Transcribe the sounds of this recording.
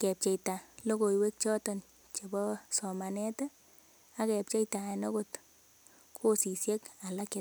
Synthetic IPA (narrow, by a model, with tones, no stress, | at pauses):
kɛ˨p̚t͡ʃe˨jta˨lo˦ko˨jwe˦k̚t͡ʃɔ˦tɔ˨n | t͡ʃe˨bɔ˦sɔ˨ma˨nɛ˦ta˦ | a˦kɛ˨p̚t͡ʃe˦jta˨ɛ˨nɔ˦ko˨t | kʰo˦si˨sje˦ka˨la˦kɛ˦t